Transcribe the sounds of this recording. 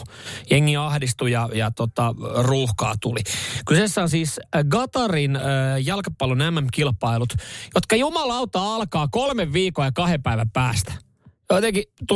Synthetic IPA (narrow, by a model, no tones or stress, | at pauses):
jeŋːiɑhdist̪ujɑjɑt̪ot̪ɑruːhkɑ̰ːt̪ulikysesːæonsiːsɡɑt̪ɑrinəjɑlkɑpːɑlːonæmːæmkilpɑilut̪jot̪kɑjumɑlɑut̪ːɑɑlkɑːkolmeʋːiːkoːjɑkɑhepæiʋæmpæːst̪æ̥ | jot̪eŋkit̪u